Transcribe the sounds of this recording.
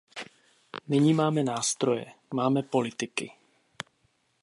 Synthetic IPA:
nɪɲimaːmɛnaːst̪ɾo̞jɛ̰maːmɛpo̞lɪt̪ɪkɪ̰

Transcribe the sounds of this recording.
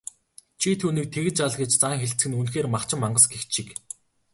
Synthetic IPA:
t͡ɕʰit̪ʰuːniːk̚t̪ʰeɣɘ̆t͡ɕaɮɡĕt͡ɕt͡saŋxeɬt͡sɘ̆ɡɘ̆nunxeːrmaχt͡ɕɪ̆mːaɴɢə̆sɡexʃik

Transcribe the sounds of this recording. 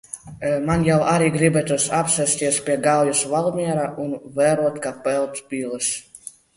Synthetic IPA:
manjawʔaɾiːɡɾibɛt̪usapsɛsʲt̪ʲiɛspʲiɛɡawjusvalˠmʲiɛɾaʔunvɛːɾuɔt̪kapɛlˠt̪sbʲiːlˠɨs

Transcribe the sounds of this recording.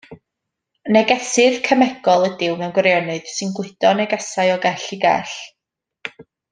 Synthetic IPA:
nɛɡɛsɪð̥kʰəmɛɡ̥ɔlˠədɪwmɛwnɡwɛɾjɔnɨðsɨnɡwɪɨdɔnɛɡɛsajɔɡɛɬiɡɛ̰ɬ

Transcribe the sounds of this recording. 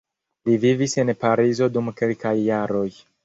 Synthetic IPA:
livivise̞npaɾizo̞dumke̞lkajːaɾo̞j

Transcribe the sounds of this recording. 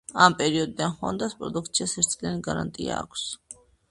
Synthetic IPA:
ampʼɛɾiɔd̪id̪anχɔ̰nd̪aspʼɾɔd̪uk̚ʰt̪sʰiasɛɾt̪sʼlɛniɡaɾa̰nt̪ʼia̰ːkʷʰs

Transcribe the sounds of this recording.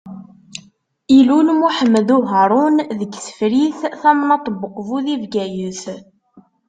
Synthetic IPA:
ilunmuħəmːðuɦəɾˤʊnðəɡsə̥fɾiθθæmnɑt̪ˤəbəqvuðivɡæjəs

